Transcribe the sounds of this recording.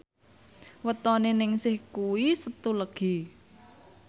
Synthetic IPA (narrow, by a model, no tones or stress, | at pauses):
wət̪ɔnenɪŋsɪhkuwisət̪uləɡ̥i̤